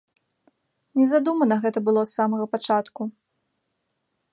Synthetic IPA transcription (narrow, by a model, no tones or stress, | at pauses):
nʲɛzad̪umɐnɐɣɛt̪ɐbɨlˠɔt̪samɐɣɐpat͡ʂat̪ku